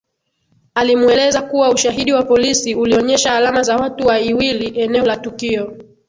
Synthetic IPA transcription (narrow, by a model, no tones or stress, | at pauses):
alimuɛlɛzakuwauʃaɦiɗiwapɔlisiuliɔɲɛʃahalamazawatuwaiwiliʔɛnɛɔlatukiɔ